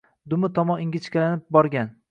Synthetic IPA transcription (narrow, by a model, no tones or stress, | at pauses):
d̪ʊmɪt̪ʰɒmɒnɪŋɡʲɪt͡ʃkʲalanɪp̚bɒɾɡʲan